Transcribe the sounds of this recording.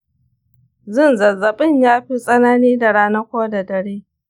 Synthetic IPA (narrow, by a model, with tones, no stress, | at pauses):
zɪ˦˨nzɐ˨zːɐ˨ɓɪ˦ɲjaː˦ɸi˦sʼɐ˦naː˦niː˦da˨ɽaː˦nɐ˦kʷoː˦da˨dɐ˨ɽeː˦